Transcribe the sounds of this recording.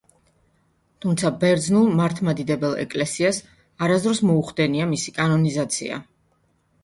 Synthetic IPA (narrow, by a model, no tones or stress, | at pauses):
t̪ʰumt̪sʰabɛɾd̪znulˠmaɾt̪ʰmad̪id̪ɛbɛlˠɛ̰kʼlɛsias | aɾazd̪ɾɔsmɔuχd̪ɛniamisikʼanɔnizat̪sʰḭa̰